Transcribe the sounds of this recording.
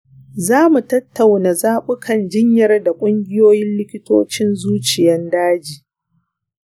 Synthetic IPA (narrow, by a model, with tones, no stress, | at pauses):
zaː˦mu˨tɐ˦tʰːa˨wna˨zaː˦ɓʊ˦kʰɐ˦˨nd͡ʒɪ˦ɲjɐ˦rda˨kʷʼʊ˦ŋɡʲɪ˦joː˦jɪ˦nlɪ˦kʲɪ˦toː˦t͡ʃɪ˦nzuː˦t͡ʃɪ˨jɐ˦ndaː˦d͡ʒiː˨